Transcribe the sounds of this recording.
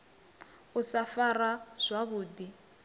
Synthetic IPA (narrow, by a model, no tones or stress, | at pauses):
usafaraz̥ʷaβuːdi